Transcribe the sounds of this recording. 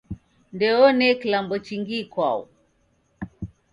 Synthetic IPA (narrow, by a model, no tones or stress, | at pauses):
ndɛɔnɛkilambɔt͡ʃiŋɡikwaṵ